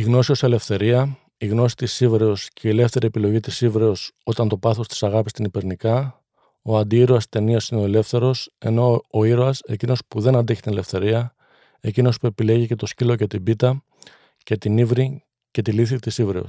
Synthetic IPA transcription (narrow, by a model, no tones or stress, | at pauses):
iɣno̞sio̞sele̞fθe̞ɾiɐ | iɣno̞si̥t̪isivɾe̞osceiele̞fθe̞ɾʔie̞pilo̞ʝit̪isivɾe̞oso̞t̪ɐnt̪o̞pɐθo̞st̪i̥sɐɣɐpist̪inipe̞ɾnikɐ | oɐnd̪iiɾoɐst̪e̞niɐsineo̞ele̞fθe̞ɾo̞se̞no̞ːiɾoɐse̞̰cino̞spuðe̞nɐnd̪eçi̥t̪inele̞fθe̞ɾiɐ | e̞cino̞spue̞pile̞ʝice̞t̪o̞scilo̞ce̞t̪ibit̪ɐ | ce̞t̪inivɾi | ce̞t̪iliθit̪isivɾe̞o̰s